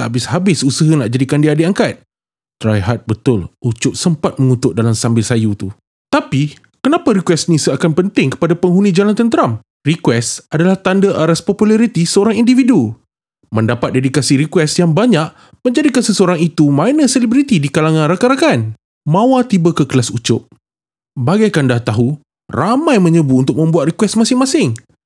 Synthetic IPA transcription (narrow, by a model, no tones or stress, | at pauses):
t̪aabɪshabɪsusəɦanaʔ̚d͡ʒadikandiadeaŋkat̪̚ | t̪ɾajɦat̪̚bət̪ʊlut͡ʃʊʔ̚səmpat̪̚məŋut̪ʊʔ̚dalamsambɪlsajut̪u | t̪api | kənãpaɾikwɛsnĩsəakanpənt̪ɪŋkə̥padapəŋɦunĩd͡ʒalant̪ənt̪əɾam | rikwɛsadalaht̪andəʔaɾaspopulaɾit̪isəoɾaŋindividu | mə̃ndapat̪̚dedikasiɾikwɛsjaŋbaɲaʔ | mə̃ɲd͡ʒadikansəsəoɾaŋit̪umãjnəselibɾit̪idikalaŋãnrakaɾakan | mãwat̪ibəkəkəlasut͡ʃʊʔ̚ | baɡajkandaht̪aɦu | ramãjmə̃ɲəbuunt̪ʊk̚mə̃mbuat̪rikwɛsmasɪŋmãsɪŋ